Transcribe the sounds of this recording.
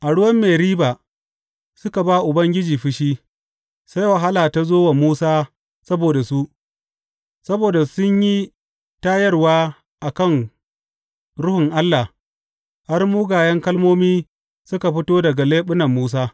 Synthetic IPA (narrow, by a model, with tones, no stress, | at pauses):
ʔa˨ɽʊ˦wɐ˦mːeː˨ɾiː˦baː˨ | sʊ˦ka˨baː˦ʔʊ˨bɐ˦ŋɡʲɪ˦d͡ʒiː˨ɸɪ˦ʃiː˦ | sa˦jwɐ˨ɦa˦laː˨ta˦zoː˦wa˨muː˦saː˦ | sɐ˦boː˨da˨su˦ʔ | sɐ˦boː˨da˨sʊ˦ɲji˦ | taː˦jɐ˦rwaː˦ | ʔa˨kɐ˦˨n | ɾʊ˦hʊ˨ŋʔa˦lːa˨ | ha˦rmu˦ɡaː˨jɐ˦ŋkɐ˦lmoː˦miː˦ | sʊ˦ka˨ɸɪ˦toː˦dɐ˨ɡa˨leː˦ɓʊ˦nɐ˨mːuː˦s̬aː˦